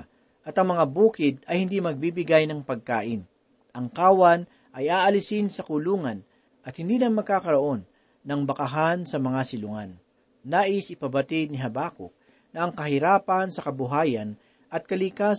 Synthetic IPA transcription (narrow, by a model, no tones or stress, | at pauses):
ʔɐt̪ɐŋmɐŋabuːkɪd̪ɐjhɪnd̪imɐɡ̚bibɪɡajnɐŋpɐɡ̚ka̰ːʔɪn | ʔɐŋkaːwan | ʔɐjaːʔɐlɪsɪnsɐkʊluːŋɐn | ʔɐt̪̚hɪnd̪iːnɐŋmɐɡ̚kakɐɾɐʔo̞nː | ɐŋbɐkɐɦansɐmɐŋasɪlʊŋanː | aːʔɪsɪpɐbɐt̪ɪd̪̚nɪɦɐbaːkʊ̰k̚ | nɐʔɐŋkɐɦɪɾaːpɐnsɐkɐbʊɦaːjɐn | ʔɐt̪̚kɐlikas